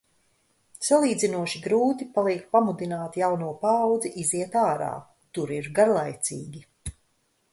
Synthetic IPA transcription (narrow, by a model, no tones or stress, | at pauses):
salˠiːd̪zinuɔʃiɡɾuːt̪ipalˠiɛk̚pamud̪inaːt̪jawnuɔpaːwd̪ziʔiziɛt̪aːɾa̰ː | t̪uɾiɾɡaɾlˠajt̪siːɡʲi